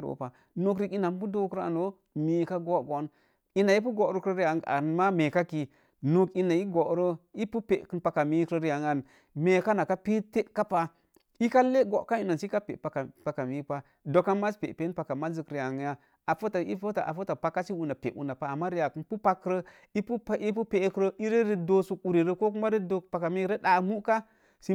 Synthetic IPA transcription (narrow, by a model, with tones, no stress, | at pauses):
ɾo̰˨pa˨ | nu˦k̬ɾi˦ki˦na˨m˦pu˦do˦kɾa̰˨no˦ | mi˦ka˦ɡo˦ɡo˨˦n | i˦na˨i˦p̬u˦ɡo˨˦ɾə˦kɾə˦ɾi˦ja˨a̰˨nma˦me˨ka˦ki˨ | nu˦ki˦na˨i˦ɡo˨ʔɾə˦i˦pu˦pe˨ʔkɨ˦npa˨ka˨mi˦kɾə˦ɾi˦ja˨ŋa˨n | me˨ka˦na˨ka˦pi˦te˦ʔka˦pa˦ | i˦ka˦le˦ɡo˨ʔka˦i˦no˨si˦ka˦pḛ˨pa˨kpa˨ka˨mi˨˦pa˦ | do˨ka˦ma˦spḛ˨pe˨˦pa˨ka˨ma˦zi˨kɾi˨ja˨ŋ˨˦ja˦ | a˨fo˦ta˨ḭ˦fo˦ta˨ʔa̰˨fo˦ta˨pa˨kːa˦t͡ʃi˦wu˨na˨pe˨ʔwṵ˨˦na˨pa˨a˨mːa˦ɾi˦ja˨kɨ˦npu˦pa˦kːɾə˦ | i˦pu˦i˦p̬u˦pe˨˦kɾə˦ʔi˦ɾe˦ɾi˦do˨su˦ku˨ɾi˨ɾə˦ko˦k̬u˦ma˦ɾi˦do˦kpa˨ka˨mi˦ɾe˦ɗa˨mu˦ka˦ | si˦